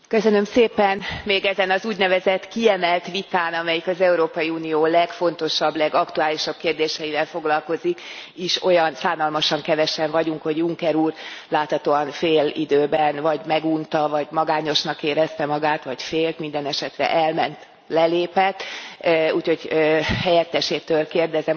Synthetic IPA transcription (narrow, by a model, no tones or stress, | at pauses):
køsønø̞mseːpɛnmeːɡɛzɛnɒzuːɟnɛvɛzɛt̪ːkiɛmɛlt̪ʋit̪aːnɒmɛjikɒzɛuɾoːpɒjiuːnijoːlɛkfo̞n̪t̪o̞ʃɒbːlɛɡɒkt̪uaːliʃɒb̥̚keːrd̪eːʃɛjivɛlfo̞ɡlɒlko̞zikiʃo̞jɒnsaːnɒlmɒʃɒŋkɛvɛʃɛɱvɒɟuŋkho̞ɟuŋkɛɾuːrlaːt̪hɒt̪oːɒnfeːlḭd̪øːbɛnvɒɟmɛɡunt̪ɒvɒɟmɒɡaːɲo̞ʃnɒkːeːɾɛst̪ɛmɒɡaːt̪ʋɒcfeːlt̪mind̪ɛnɛʃɛt̪rɛ̰ʔɛlmɛnt̪ | lɛleːpɛt̪ːuːcho̞ɟhɛjɛt̪ːɛʃeːt̪ːøːlkeːrd̪ɛzɛ